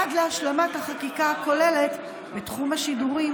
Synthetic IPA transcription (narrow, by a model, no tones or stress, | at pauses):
adlehaʃlamathaχakikaako̞lele̞t | betχumaʃiduʁi